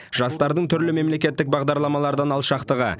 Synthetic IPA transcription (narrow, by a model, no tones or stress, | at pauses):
ʒ̥ɑst̪ɑɾd̪əɴt̪ʰʏɾlɪme̞mle̞kʲe̞t̪ːɪk̚bɑʁd̪ɑɾlˠɑmɑlˠɑɾd̪ɑnɑlˠʃɑqt̪əʁə̰